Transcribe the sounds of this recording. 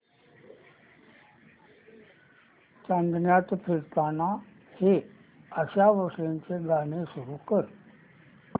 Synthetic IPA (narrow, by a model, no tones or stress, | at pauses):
t͡ɕãnd̪njat̪piɾt̪ana | he | əɕaʋəɾʂɭeɲt͡seɡaɽ̃esuɾukəɾ